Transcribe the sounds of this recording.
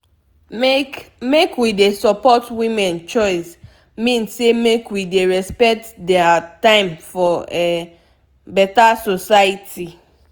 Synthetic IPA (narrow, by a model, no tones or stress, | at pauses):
mekwidesɔpɔtwimɛ̃nt͡ʃɔɪs | mĩnssemekwideɹɛspɛk̚tdɛatãɪ̃mfɔɛ | bɛtasosaitʰi